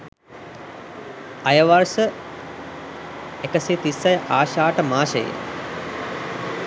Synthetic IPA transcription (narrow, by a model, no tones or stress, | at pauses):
ajəʋarsə | ekəseːt̪isːɐjəʔaːʃaːʈəmaːʃəjḛ